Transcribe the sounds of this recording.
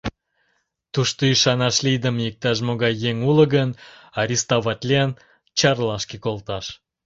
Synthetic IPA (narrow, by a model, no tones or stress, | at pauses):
t̪uʃt̪oiʃɑnɑʃlid̪əmjək̚t̪ɑʃ̬moɣɑjːeŋulə̆ɡənɑɾʲist̪oβɑt̪ʲlʲen | t͡ɕɑrlɑʃkekolt̪ɑʃ